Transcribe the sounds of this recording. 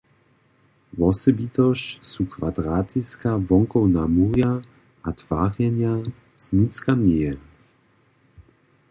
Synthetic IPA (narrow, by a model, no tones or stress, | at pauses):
vɔsɔbit̪ɔɕsukvad̪ɾaːt̪iskavɔŋkɔwnamuʁja | ʔat̪v̥aːʁjɛnja | z̥nut͡skanɛjɛ